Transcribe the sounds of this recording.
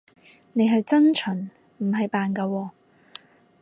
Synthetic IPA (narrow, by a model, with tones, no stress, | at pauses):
ne˨˧jɦɐ˨jt͡sɐ˥nt͡ʃʰɵ˨˩n | m̩˨˩ɦɐ˨jpaː˨nkɐ˧wɔː˧